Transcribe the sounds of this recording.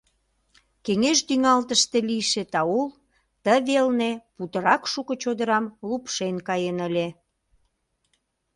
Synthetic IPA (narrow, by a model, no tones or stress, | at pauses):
keŋeʃd̪yŋɑlt̪əʃt̪elijʃet̪ɑul | t̪əβelneput̪əɾɑkʃukə̆t͡ɕod̪əɾɑmlupʃenkɑjenəlʲe